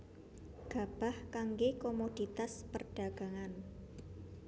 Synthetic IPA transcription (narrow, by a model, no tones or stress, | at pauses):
ɡ̥a̤b̥a̤hkaŋɡekomod̥i̤t̪aspərɖ̥a̤ɡ̥a̤ŋan